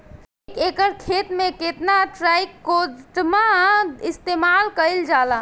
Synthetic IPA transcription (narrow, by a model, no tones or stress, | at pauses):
kekəɾkʰet̪mẽket̪naʈɾajkːoʈmaist̪emalkəɪld͡ʒala